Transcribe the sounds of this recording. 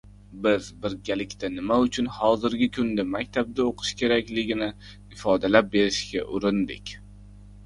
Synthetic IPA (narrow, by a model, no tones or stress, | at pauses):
bɪzbɪɾɡʲalɪkʲt̪anɪmaʊt͡ʃʰʊnhɒzɪɾɡʲɪkʰʊnd̪amakʲt̪ʰab̚d̪aoqʰɨ̥ʃkʲe̞ɾakʲlɪɡʲɪnɪ | ɪfɒd̪alap̚be̞ɾɪʃkʲaʔʊɾɪnd̪ɪ̰kʲ